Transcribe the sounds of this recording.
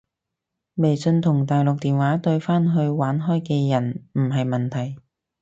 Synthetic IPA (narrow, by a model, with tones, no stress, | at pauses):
me˨˩jsɵ˧nt̪ʰʊ˨˩ŋt̪aː˨jlʊ˨k̚t̪iː˨nwaː˨˥t̪ɵ˧ɥfaː˥nɦɵ˧ɥwaː˨˥nɦɔː˥jkɛː˧jɐ˨˩nm̩˨˩ɦɐ˨jmɐ˨˩nt̪ʰɐ˨˩j